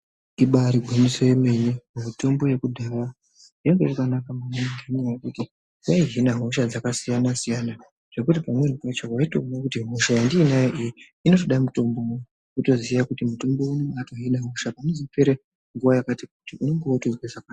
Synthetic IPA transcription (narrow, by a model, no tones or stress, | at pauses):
iɓaɾiɡʱumisojeme̞nemumito̞mbo̞je̞kudʱara | jeŋɡerukanakamanaŋɡʱenejakuti | waiɦinaɦoʃad͡zakasijanasijana | ʐ̥e̞kutipamwe̞nupat͡ʃokaito̰nakutiɦoʃajandiːnajeʔiji | ino̞to̞ɗaimuto̞mbo̞ | uto̞zijakutimuto̞mbo̞unoato̞ɦinaɦoʃapanozifeɾe | ŋɡuʋajakatikutiʔuno̞ŋɡeotozwisakwa